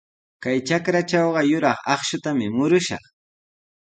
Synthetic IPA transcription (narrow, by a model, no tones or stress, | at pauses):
kajt͡ʃakɾat͡ʃɑwɢɑjʊɾɑχɑχʃʊt̪amɪmʊɾʊʃɑ̰χ